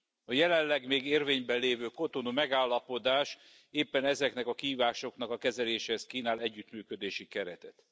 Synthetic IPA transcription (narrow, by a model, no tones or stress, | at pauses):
ɒjɛlɛlːɛɡmeːɡeːrveːɲbɛleːvøːko̞t̪o̞numɛɡaːlːɒpo̞d̪aːʃ | eːpːɛnɛzɛknɛkɒkiɦiːvaːʃo̞knɒkɒkɛzɛleːʃɛhɛskiːnaːlɛɟːyt̪myːkø̞d̪eːʃikɛɾɛt̪ɛt̪